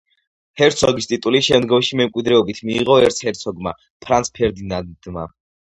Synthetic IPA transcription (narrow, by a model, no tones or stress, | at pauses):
hɛɾt̪sʰɔɡist̪ʼit̪ʼuliʃɛmd̪ɡɔmʃimɛmkʼwid̪ɾɛɔbit̪ʰmiːʁɔɛɾt̪sʰhɛɾt̪sʰɔɡma̰ | pʰɾansʰpʰɛɾd̪inand̪ma̰